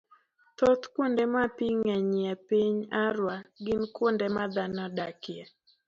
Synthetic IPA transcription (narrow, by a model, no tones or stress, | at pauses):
t̪ɔt̪kwondɛmapiŋɛɲɪɛpiɲaɾwaɡɪnkwondɛmad̪anɔdakɪɛ